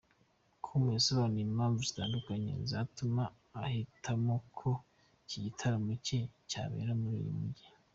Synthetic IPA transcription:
kʰumwesoβaːnujimaːɱvuzi̥taːndukaɲḛzatumaː | hitʰamokʰo | ciɟitʰaɾamuceca̰βḛːɾamuɾḭjḭmuɟi

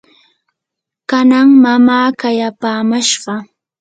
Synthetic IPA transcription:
kanaŋmamaːkajapaːmaʃɢɑ

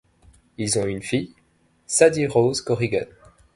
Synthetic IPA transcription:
ilzɔ̃ynfij | sad̪iʁozkɔʁiɡa̰n

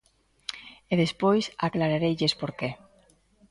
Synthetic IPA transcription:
eðespojsaklaɾaɾejʎespoɾke

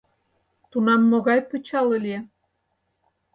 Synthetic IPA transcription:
t̪unɑmːoɣɑjpə̆t͡ɕɑlə̆lie

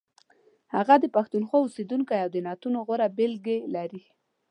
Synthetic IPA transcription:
haɣad̪əpaxt̪unxwaʊsed̪uŋkajawd̪ənɑt̪unoɣoɾabɪlɡelaɾi

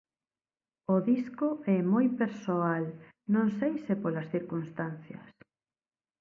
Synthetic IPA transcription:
oðiskʊɛmojpeɾsoal | nõŋsejsepolɐsθiɾkunst̪an̟θjɐ̰s

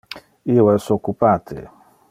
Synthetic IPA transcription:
iwɛsɔkupatʰḛ

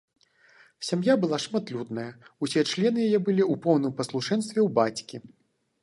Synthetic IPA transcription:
sʲamjabɨlˠaʂmat̪lʲud̪nɐjɐusʲɛɛt͡ʂlʲɛnɨjajɛbɨlʲiupɔwnɨmpɐslˠuʂɛnst̪vʲɛwbat͡sʲkʲi

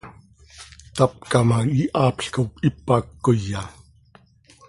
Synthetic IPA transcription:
t̪ap̚kamaiʔaːpɬkapipakːoja

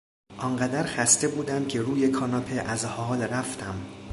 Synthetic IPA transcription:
ʔɒŋɢæd̪æɾxæst̪e̞buːd̪æmcʰe̞ɾuːje̞kʰɒnɒpʰeʔæzhɒːlɾæft̪ʰæm

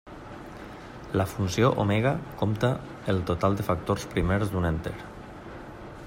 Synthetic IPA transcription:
ləfunsioʔo̰meɣakomt̪ə | elˠt̪ot̪alˠd̪əfak̚t̪orspɾimeɾzd̪unent̪eɾ

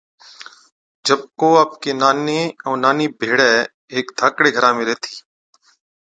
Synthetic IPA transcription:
d͡ʒəb̚koːaːp̚keːnaːneːɔːnaːniːbʱeːɽɛː | eːkd̪ʱaːkɽeːɡʱəɾãːmẽːɾeːt̪ʰiː

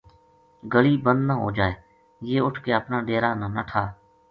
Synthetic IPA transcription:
ɡəɭiːbənd̪nãːɦo̰ːd͡ʒaːeː | jeːʊʈʰkeːəpnaːɖeːɾaːnãːnəʈʰaː

